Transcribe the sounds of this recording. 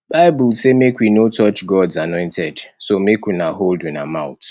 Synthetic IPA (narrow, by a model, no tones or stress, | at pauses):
b̥aɪbʊlsemekwinotɔt͡ʃɡɔdzanɔɪ̃ntʰɛdsomekinaɦoldunamãʊt